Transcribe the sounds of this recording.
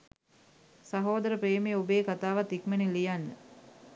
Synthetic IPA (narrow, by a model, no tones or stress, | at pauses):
sɐɦoːd̪əɾəpɾeːmejobeːkat̪aːʋat̪ikmenilijanːə